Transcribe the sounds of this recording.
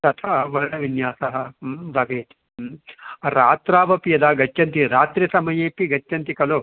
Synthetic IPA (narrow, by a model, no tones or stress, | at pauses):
t̪ɐt̪ʰɐɐʋɐɾɽɐʋinjaːsɐɦɐbʱɐʋeːt̪i | ɾaːt̪ɾaːbɐpijɐd̪aːɡɐt͡ʃːɐnt̪iɾaːt̪ɾisɐmɐjeːpiɡɐt͡ʃːɐnt̪ikɐloː